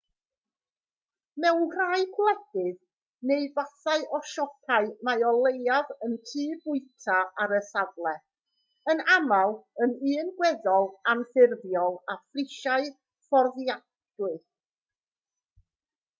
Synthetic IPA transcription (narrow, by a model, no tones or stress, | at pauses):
mɛwnhraːɨkʰlɛdɨð | neɨvaθaɨʔɔʃɔkʰaɨmajɔlˠejavəntʰɨːbʊɨtʰaaɾəsavlˠɛ | ənamalˠənɨːnɡwɛðɔlˠamθɪrðjɔlˠafrɪʃaɨ | fɔrðja | dɨ